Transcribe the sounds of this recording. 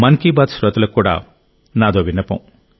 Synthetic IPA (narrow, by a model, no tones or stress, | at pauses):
mɐnkibaːt̪sɾɐt̪ɐlɐkːuːɽa̰ː | naːd̪oːʋinɐpɐ̰̃m